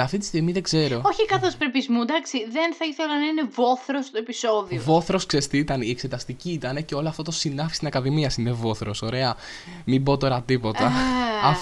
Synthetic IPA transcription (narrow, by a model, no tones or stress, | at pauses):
ɐft̪it̪i̥st̪iɣmiðe̞ɡze̞ɾoo̞çikɐθo̞spɾepizmud̪ɐksiðenθɐiθelɐnɐine̞vo̞θɾost̪oepiso̞ðiovo̞θɾo̞sksest̪it̪ɐniekse̞t̪ɐst̪iciːt̪ɐneceo̞loɐft̪ot̪osinɐfist̪isɐkɐðimiɐsinevo̞θɾo̞so̞ɾe̞ɐ | mibo̞t̪o̞ɾɐt̪ipo̞t̪ɐɐf